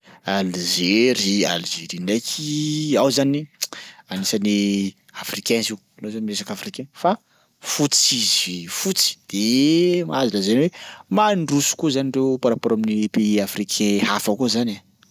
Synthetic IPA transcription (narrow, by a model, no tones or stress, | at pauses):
alizeɾia̰lzeɾinakʰiawzanianisani | afrikɛ̃nzi | alozanimiɾesakafrikɛ̃nfa | fut͡sizifut͡si̥d̪̥emazilazenwemaɳɖ͡ʐusu̥kuzaniɳrewpaɾapoɾomnipeafrikʰɛ̃hafakuzana